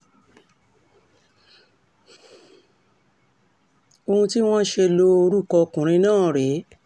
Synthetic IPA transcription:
o˧hũ˧ti˦w̃ɔ̃˦ʃe˧lo˧o˧ɾu˦kɔ˧kũ˨ɾ̃ĩ˧nãː˦˨ɾe˨˦

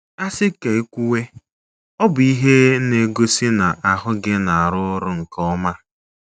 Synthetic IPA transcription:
a˦sɪ˦ke˨e˦kʷu˦we˦ | ɔ˦bʊ˨i˦ɦe˦ne˦ɡo˦si˦na˨ʔa˨ɦʊ˦ɡɪ˦na˨a˨ɾʊ˦ʊ˦ɾʊ˦ŋ̩˨kɔ˦ma˦

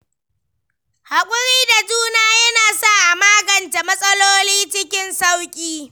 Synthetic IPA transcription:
ha˨kʷʼʊ˦ɽiː˦da˨d͡ʒuː˦naː˦jɐ˦naː˨sa˦ʔa˨maː˦ɡɐ˨nta˨mɐ˦sʼɐ˦loː˦liː˦t͡ʃɪ˦kʲɪ˦nsa˦wkʲʼiː˦

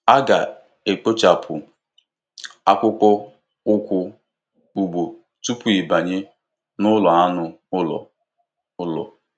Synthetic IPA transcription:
a˦ɡa̰˨ | e˨k͡po˦t͡ʃa˨pʰʊ˨ | a˦kʷʊ˦kɔ˦ | ʊ˦kʷʊ˦ | u˨ɡ͡bo˨ | tu˦pu˨i˨ba˨ɲɪ˦ | nʊ˦lɔ˨a˦nʊ˦ | ʊ˦lɔ̰˨ | ʊ˦lɔ̰˨

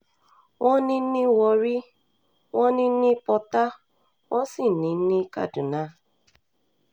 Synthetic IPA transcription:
wʔɔ̃˦nĩ˦nĩ˦wɔ˧ɾi˦ | wɔ̃˦nĩ˦ni˦pɔ˧ta˦ | wɔ̃˦si˦˨nĩ˨˦n̩˦ni˦ka̰˦du˨na˦

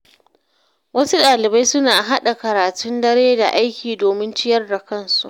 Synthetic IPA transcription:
wɐ˦su˦ɗaː˨lɪ˨ba˦jsʊ˦naː˨ɦa˦ɗa˨kɐ˨ɾaː˨tʊ˦ndɐ˦ɾeː˦da˨ʔa˦jkʲiː˨doː˨mɪ˦nt͡ʃɪ˦jɐ˦rda˨kɐ˦nsu̥̰˨ʔ

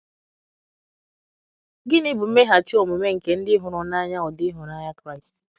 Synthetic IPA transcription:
ɡɪ˦nɪ˦bʊ˨m̩˦me˦ɦa˨t͡ʃɪ˦o˨mu˨me˦ŋ̩˨ke˨n̩˦dɪ˦ɦʊ˨ɾʊ˨na˦ɲa˦ɔ˨dɪ˦ɦʊ˨na˦ɲa˦kɾa˦ɪ˨st

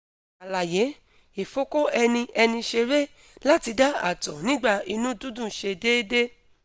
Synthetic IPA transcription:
a˨la˨je˨˦ | e˨fo˨˦ko˦ɛ˧nĩ˧ʔɛ˧nĩ˧ʃe˧ɾe˦ | la˦ti˧da˦a̰˦˨tɔ˨nĩ˦ɡ͡ba˦˨i˧nũ˦dũ˦dũ˦˨ʃe˧de˦de˦

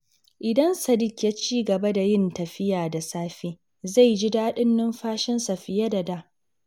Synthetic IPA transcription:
ʔɪ˨dɐ˦nsɐ˨dɪ˦kʲja˦t͡ʃiː˦ɡɐ˨bɐ˦da˨jɪ˦ntɐ˨ɸɪ˦jaː˨da˨saː˦ɸiː˦ | za˦˨jd͡ʒi˦daː˦ɗɪ˦nːɪ˦mɸaː˦ʃɪ˦nsa˨ɸɪ˨ja˦da˨da˦

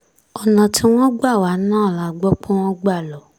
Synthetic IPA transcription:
ɔ˨nã˨ti˦w̃ɔ̃˦ɡ͡ba˦˨wa˨˦nãː˦˨la˨˦ɡ͡bɔ˦k͡põ˦w̃ɔ̃˦ɡ͡ba˦˨lɔ˨˦

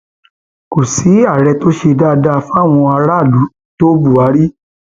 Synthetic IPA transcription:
ko˨si˨˦a˦˨ɾɛ˧to˦ʃe˧da˦˧da˦˧fw̃ɔ̃˧a˧ɾa˦˨lu˨˦ | to˦bu˦˨a˨˦ɾi˦

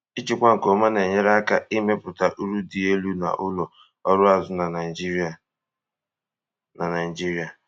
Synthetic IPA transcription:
i˦t͡ʃi˨kʷa˦ŋ̩˨ko˨˦ma˦ne˨ɲe˦ɾa˦ka˦i˦me˦pʊ˨ta˨ʔu˦ɾu˦di˨e˦lu˦na̰˨ʔʊ˦lɔ˨ | ɔ˦ɾʊ˦a˨zʊ˦na˨na˨d͡ʒi˦ɾa˨ | na˨na˨i˨d͡ʒi˦ɾi˦a˨

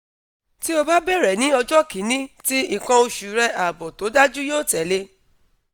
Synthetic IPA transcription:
ti˦o˧ba˦bɛ˦˨ɾɛ˨nĩ˨˦ɔ˧d͡ʒɔ˦ki˨˦nĩ˦ti˦i˨kã˧o˧ʃu˨ɾɛ˧a˨bɔ˨to˨˦da˦d͡ʒu˦joː˦˨tɛ˨˦le˧

